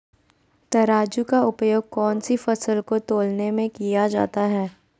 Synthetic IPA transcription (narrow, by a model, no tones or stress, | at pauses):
t̪ɐɾaːd͡ʒukaʊpjoːɡ̚kɔːnsifɐsəlkot̪oːlnemẽkijad͡ʒa̰ːt̪aɦɛː